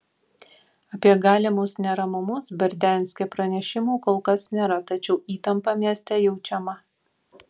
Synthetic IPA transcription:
ɐpʲiɛɡɑːlʲɪmʊsnʲɛɾɐmʊmʊsbʲɐɾʲd̪ʲænʲsʲkʲɛpɾɐnʲɛʃʲɪmuːkoːlˠkɐsnʲeːɾɐt̪ɐt͡ʃʲɛʊiːt̪ɐmpɑmʲiɛsʲt̪ʲɛjɛʊt͡ʃʲɛmɐ

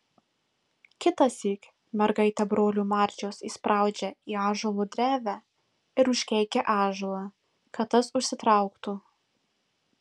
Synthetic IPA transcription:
kʲɪt̪ɐsʲiːk | mʲɛɾɡɐɪt̪ʲɛbɾoːlʲuːmɑːˑɾʲt͡ʃʲoːsiːspɾʔɑˑʊd͡ʒʲɛiːɑːʒolˠuːd̪ʲɾʲæːʋʲæː | ɪɾʊʃʲkʲɛɪkʲɛʔɑːʒulˠɑ | kɐt̪t̪ːɐsʊʃʲsʲɪt̪ɾɑˑʊkt̪uː

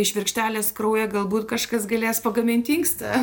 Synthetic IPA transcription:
ɪʃʋʲɪrʲkʃʲt̪ʲæːlʲeːskrɐʊjɛɡɐlˠbuːt̪kɐʃkɐsɡɐlʲeːspɐɡɐmʲɪnʲt̪ʲiŋkst̪ɐ

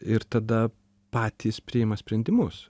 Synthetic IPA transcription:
ɪɾt̪ɐd̪ɐ | pɑːt̪ʲiːspʲɾʲɪɪmɐsʲpʲɾʲɛnʲd̪ʲɪmʊs

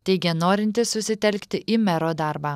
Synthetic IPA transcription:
t̪ʲɛɪɡʲɛnoːɾʲɪnʲt̪ʲɪssʊsʲɪt̪ʲɛlʲkt̪ʲɪʔiːmʲɛɾoːd̪ɑˑɾbɑː

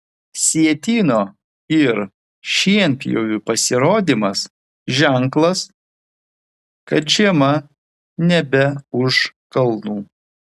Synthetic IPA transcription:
sʲiɛt̪ʲiːnoː | ɪɾ | ʃʲiɛnʲpʲjo̰ːjupɐsʲɪɾoːd̪ʲiːmɐs | ʒʲæŋklˠɐs | kɐt̪ʒʲiɛmɐ | nʲɛbʲɛʊʃkɐlˠnuː

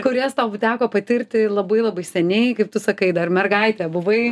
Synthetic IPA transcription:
kʊɾʲɛst̪ɐːʊt̪ʲæːkoːpɐt̪ʲɪrʲt̪ʲɪlˠɐbɐɪlˠɐbɐɪsʲɛnʲɛɪkɐɪp̚t̪ʊsɐkɐɪd̪ɐrmʲɛrɡɐɪt̪ʲɛːbʊʋɐɪ

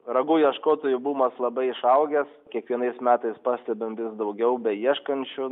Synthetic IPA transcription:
ɾɐɡuːjiɛʃkoːt̪oːjʊbuːmɐslˠɐbɐɪɪʃɐʊɡʲɛskʲiɛkʋʲiɛnɐɪsmʲæːt̪ɐɪspɑːsʲt̪ʲɛbʲɪmʋʲɪsd̪ɐʊɡʲɛʊbʲɛjiɛʃkɐnʲt͡ʃʲʊ

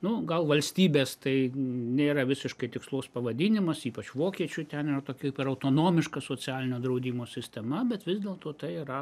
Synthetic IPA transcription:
nʊɡɐlˠʋɐlʲsʲt̪ʲiːbʲeːst̪ɐɪnʲeːɾɐʋʲɪsʲɪʃkɐɪt̪ʲɪkslˠoːspɐʋɐd̪ʲinʲɪmɐsiːpɐt͡ʃʋoːkʲiɛt͡ʃʲʊt̪ʲɛnɪrɐt̪oːkʲɛkpɪɾɐʊt̪oːnoːmʲɪʃkɐsoːt͡sʲæːlʲɪnʲoːd̪ɾɐʊd̪ʲiːmoːsʲɪsʲt̪ʲɛmɐbʲɛt̪ʋʲɪzd̪ʲeːlˠt̪oːt̪ɐɪiɾɐ

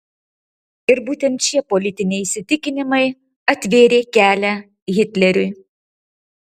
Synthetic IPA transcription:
ɪɾbuːt̪ʲɛnt̪t͡ʃʲiɛpolʲɪt̪ʲɪnʲɛɪisʲɪt̪ʲɪkʲɪnʲɪmɐɪ | ɐt̪ʲʋʲeːɾʲeːkʲæːlʲɛ | ɣʲɪt̪ʲlʲɛɾʲʊɪ

